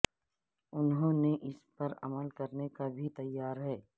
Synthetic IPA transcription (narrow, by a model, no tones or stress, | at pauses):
ʊnɦõneʔɪspɐɾɐ̰məlkɐɾnekabʱit̪ɐjːaːɾɦɛː